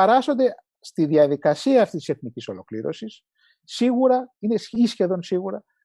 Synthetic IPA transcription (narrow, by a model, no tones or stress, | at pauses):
eɾɐso̞nd̪e̞ | st̪iðiɐðikɐsiɐːft̪isi̥se̞θniciso̞lo̞kliɾo̞̰sisː | iɣuɾɐinesisçe̞ðo̞nsiɣuɾɐ